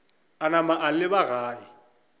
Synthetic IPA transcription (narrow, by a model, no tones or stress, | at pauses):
anamaʔalɪbaɣaːi